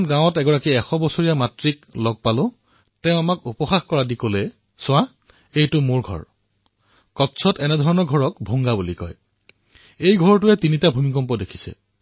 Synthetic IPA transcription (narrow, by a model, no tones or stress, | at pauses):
nɡãwɔtɛɡɔɹakiɛxɔbɔsoɹijamatɹiklɔɡ̚palʊ̃ | tɛ̃ʊ̃amakupɔxaxkɔɹadikolɛ | sʊ̃wa | ejtʊmoɹɡʱɔ̰ɹ | kɔtsʰɔtɛnɛdʱɔɹɔnɔɡʱɔɹɔkbʱoŋɡabulikɔ̰j | ejɡʱɔɹtʊɛtinitabʱumik̬ɔmpɔdekʰi̥sɛ̰